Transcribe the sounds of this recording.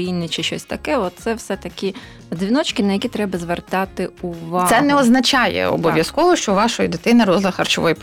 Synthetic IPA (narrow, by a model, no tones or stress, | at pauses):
inɪt͡ʃɪʃt͡ʃɔ̰sʲt̪ɐkɛɔt̪̚t̪sɛwsɛt̪ɐkʲi | d̪zʲʋʲinɔt͡ʃkʲɪnɐjɐkʲit̪ɾɛbɐzʋert̪ɑt̪ɪʊʋɑsɛnɛɔznɐt͡ʃɑjɛ̰ɔ̰bɔʋʲjɐskɔʋɔʃt͡ʃɔʋɑʃɔjid̪ɪt̪ɪnɪɾɔzlˠɐxɐrt͡ʃɔʋɔj